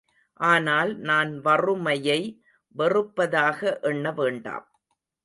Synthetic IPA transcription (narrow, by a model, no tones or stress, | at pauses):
ʔaːnaːlnaːnʋɐrɯmɐjɐɪ | ʋɛrɯpːɐðaːɣɐʔɛɳːɐʋeːɳɖa̰ːm